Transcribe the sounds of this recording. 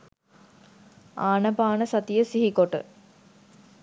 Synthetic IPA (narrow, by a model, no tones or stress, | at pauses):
aːnəpaːnəsɐt̪ijəsiɦikoʈə̰